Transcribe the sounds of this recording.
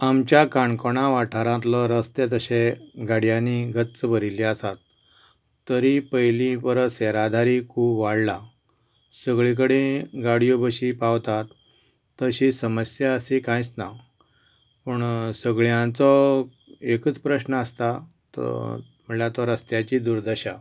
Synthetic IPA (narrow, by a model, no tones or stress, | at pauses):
amt͡ɕjakaɳkoɽ̃ãʋaʈʰaɾãt̪lɔɾəst̪et̪əɕeɡaɽjãniɡʱət̪t͡səbʱəɾiliasat̪ː | əɾipəjlĩpəɾəseɾad̪ʱaɾikʰuːbʋaɽla | səɡɭik̬əɽeɡaɽijobəɕipaʋt̪at̪ː | əɕisəməsjaəsikãjt͡sna | pəɳsəɡɭjãt͡sɔ | ekət͡spɾəɕnəəst̪a | t̪ | m̤əɳlat̪ɔɾəst̪jat͡ɕid̪uɾd̪əɕa